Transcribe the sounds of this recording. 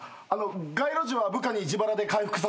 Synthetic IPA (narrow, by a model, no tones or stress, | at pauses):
ano̞ɡaiɾo̞ʑiβabɯ̟kaɲ̟iːd͡ʑibaɾad̪e̞kaiɸɯ̟̥kɯ̟s̬a